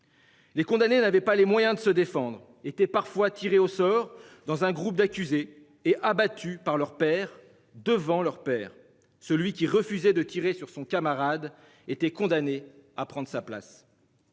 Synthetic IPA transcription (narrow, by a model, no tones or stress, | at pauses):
lekɔ̃d̪anenavɛpalemwajɛ̃d̪əsəd̪efɑ̃d̪ʁ | et̪ɛpaʁfwat̪ʰiʁeosɔʁd̪ɑ̃zɛ̃ɡʁup̚d̪akʲyzeː | ʔabat̪ʰypaʁlœʁpɛʁ | d̪əvɑ̃lœʁpɛːʁ | səlɥikʲiʁəfyzɛd̪ət̪iʁesyʁsɔ̃kamaʁad̪ | et̪ɛkɔ̃d̪aneapχɑ̃d̪ʁəsapla̰s